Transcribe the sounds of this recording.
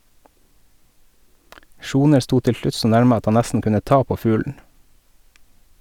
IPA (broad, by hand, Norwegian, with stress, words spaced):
ˈʃuːnəɾ ˈstuː ˈtɪl ˈʃlʉt ˈsoː ˈnæɾmə ˈɑt ˈhɑn ˈnæstn̩ ˈkʉnə ˈtɑː ˈpoː ˈfʉːln̩